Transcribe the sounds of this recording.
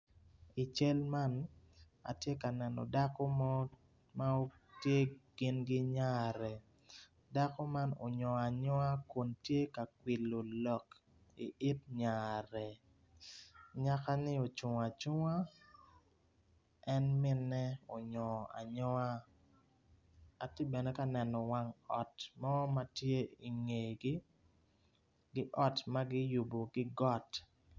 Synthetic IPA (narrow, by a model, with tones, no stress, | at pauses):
i˨t͡ʃe˦lma˦n | a̰˨tje˦ka˨nɛ˨nɔ̰˨da˦ko˦mɔ˦ | ma˦o˦ | tje˦ɡ̥ɪ˦nɡɪ˦ɲa˦ɾɛ˨ | da˦ko˦ma˦no̰˨ɲɔ˨a˨ɲɔ˦a˦ko˨ntje˦ka˨kwi˨lo˨lɔ˨k | i˨ʔɪ˦t̚ɲa˨ɾɛ˨ | ɲa˦ka˦nɪ˦o˨t͡ʃʊ˨ŋa˨t͡ʃʊ˦ŋa˦ | ɛ˦nmɪ˦nːɛ˦o˨ɲɔ˨a̰˨ɲɔ˦a˦ | a˨ti˦bɛ˨nɛ˦ka˦nɛ˨nɔ˨wa˦ŋɔ˨tmɔ˦ma˦tje˦i˨ŋe˨ɡɪ˦ | ɡɪ˦ʔɔ˦tma˦ɡɪ˦ju˨bo˨ɡɪ˦ɡɔ˦t